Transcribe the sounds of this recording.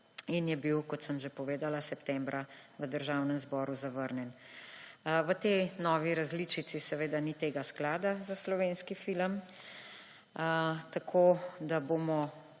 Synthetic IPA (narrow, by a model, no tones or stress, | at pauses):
injɛbiwkɔt̪səmʒepɔʋeːd̪alasɛpt̪ɛmbɾʔaʋəd̪əɾʒawnəmzbɔːɾuzaʋəɾnɛn | ʋət̪enɔːʋiɾazlit͡ʃit̪sisɛʋeːd̪anit̪eːɡasklaːd̪azaslɔʋeːnskifiləm | t̪akʰoːd̪abomɔ